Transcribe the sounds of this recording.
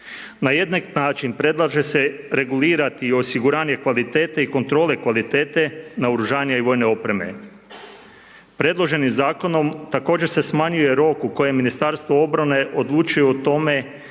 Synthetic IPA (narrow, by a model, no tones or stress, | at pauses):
naje̞d̪naknaːt͡ʃinpɾe̞d̪lˠaʒe̞se̞ɾe̞ɡuliːɾat̪io̞siɡuɾaːɲe̞kʋalit̪e̞ːt̪eiko̞nt̪ɾo̞le̞kʋalit̪eːt̪e̞naoɾuʒaːɲaiʋo̞ːjne̞o̞pɾe̞me̞̰ | pɾe̞d̪lˠo̞ʒe̞nimzaːko̞no̞mt̪ako̞ːd͡ʑese̞smaɲuje̞ɾo̞kuko̞je̞minist̪aɾst̪ʋoo̞bɾane̞ʔo̞d̪lˠuːt͡ʃujeot̪o̞me̞